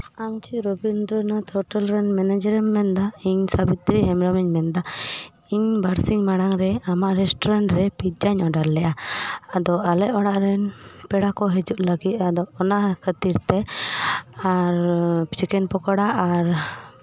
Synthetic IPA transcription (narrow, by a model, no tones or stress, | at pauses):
amt͡ʃiɾɔbind̪ɾɔnat̪ʰɔʈəlɾɛnmɛnɛd͡ʒɾɛmːɛnd̪aiɲsabit̪ɾiɦɛmɾɔmiɲmɛnd̪a | iɲbaɾsiŋmaɽ̃aŋɾɛamaʔɾɛsʈɔɾaɳʈɾɛpit̪d͡ʒaɲɔɖaɾlɛʔaad̪ɔalɛʔɔɽaʔɾɛnpɛɽakɔɦɛd͡ʒuʔləɡit̪̚ad̪ɔɔnakʰət̪iɾt̪ɛ | aɾt͡ʃɛkɛnpɔkɔɽaʔaɾ